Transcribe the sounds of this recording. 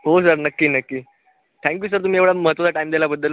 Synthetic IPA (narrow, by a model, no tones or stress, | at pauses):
ɦos̬əɾnəkːiːnəkːiː | t̪ʰæ̃ŋkjuːs̬əɾt̪̬um̤iːeʋɭaməɦət̪ʋət͡saʈaiːmd̪elabəd̪ːəl